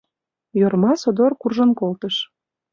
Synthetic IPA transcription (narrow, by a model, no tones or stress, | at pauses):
jormɑsod̪orkurʒə̆nkolt̪əʃ